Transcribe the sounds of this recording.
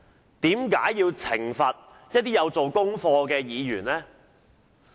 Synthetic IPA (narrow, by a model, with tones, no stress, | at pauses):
t̪iː˨˥mka̰ː˨˥jjiː˧wt͡sʰɪ˨˩ŋfɐ˨t̚ | jɐ˥t̚t̪iː˥jɐ˨˧wt͡so˨wkʊ˥ŋfɔː˧kɛː˧jiː˨˧jyː˨˩nlɛː˥